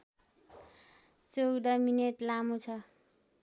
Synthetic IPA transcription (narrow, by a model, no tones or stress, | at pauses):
t͡sowd̪ʌmineʈlamut͡sʰʌ